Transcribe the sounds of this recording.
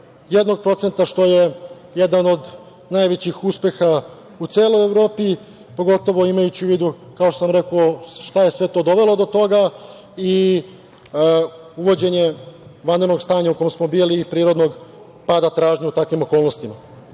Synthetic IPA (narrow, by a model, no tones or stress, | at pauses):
jed̪no̞ɡ̚pɾo̞t̪se̞nt̪aʃt̪o̞je̞ | je̞d̪ano̞d̪ | najʋet͡ɕixuspe̞xa | ut̪seːlo̞jeʋɾo̞ːpi | po̞ɡo̞t̪o̞ʋo̞imajut͡ɕiuʋid̪u | kaoʃt̪osamɾe̞kooʃt̪ajesʋe̞t̪o̞ːd̪o̞ʋe̞lo̞d̪o̞t̪o̞ɡa | i | uʋo̞d͡ʑe̞ɲe̞ʋand̪ɾeno̞ɡst̪aːɲauko̞jemsmo̞biːlipɾiːɾo̞d̪no̞ɡ | pad̪at̪ɾaːʒɲaut̪akʋimo̞ko̞ːlˠnost̪ima